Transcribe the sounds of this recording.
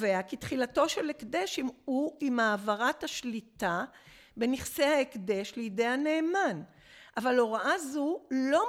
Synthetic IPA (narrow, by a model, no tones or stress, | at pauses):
veakitχilato̞ʃe̞lekde̞ʃimuimaːvaʁathaʃlita | be̞niχsehaekde̞ʃlejide̞jhane̞ːman | ʔavalo̞ʁaʔazulo̞